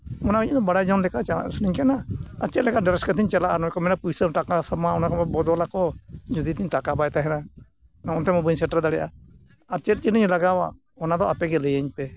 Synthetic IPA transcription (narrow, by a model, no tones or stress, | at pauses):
ɔnakiɲad̪ɔbaɽajd͡ʒɔnlɛkat͡ʃaa̰sniɲkɛnaat͡ʃɛt̪lɛkaɖɾɛskat̪iɲt͡ʃɛlaʔanɔkɔmɛnapujsəɾʈakasamaɔnakɔbɛbɔd̪ɔlakɔd͡ʒud̪it̪ʰiɲʈakabajt̪aɦɛna | ɔnt̪ɛmɔbuɲsɛʈaɾd̪aɽɛjʔa̰ | aɾt͡ʃɛt̪̚t͡ʃiniɲlaɡawa̰ | ɔnad̪ɔʔapɛɡɛləjəɲpɛ